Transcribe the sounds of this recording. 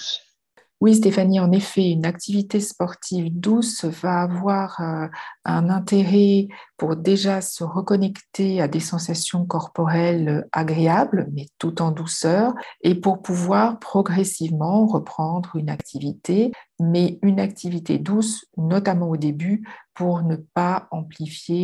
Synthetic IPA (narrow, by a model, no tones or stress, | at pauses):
wis̬t̪efaniɑ̃nefɛynakt̪ʰivit̪espɔʁt̪ʰivd̪usvaːvwaʁ | ɛ̃nɛ̃t̪eʁɛpuʁd̪eʒasəʁəkɔnɛkt̪ead̪esɑ̃sasjɔ̃kɔʁpɔʁɛla̰ɡʁeablmɛt̪ut̪ɑ̃d̪usœːʁepuʁpuvwaʁpχɔɡʁɛsivmɑ̃ʁəpχɑ̃d̪ʁynakt̪ʰivit̪ʰemɛynakt̪ʰivit̪ḛd̪usnɔt̪amɑ̃od̪ebypuʁnəpaɑ̃plifje